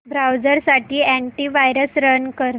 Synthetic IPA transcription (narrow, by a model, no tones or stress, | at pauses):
bɾawd͡zəɾsaʈiːæ̃ɳʈiːʋajɾəsɾənkəɾ